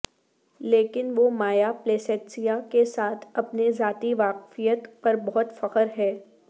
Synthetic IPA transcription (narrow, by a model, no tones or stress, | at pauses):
leːkɪnʋomaːjapleːsɛːʈsijakesaːt̪ʰɐpnezaːt̪iʋaːqfijət̪pɐɾbɔɦɔt̪fɐqəɾɦɛː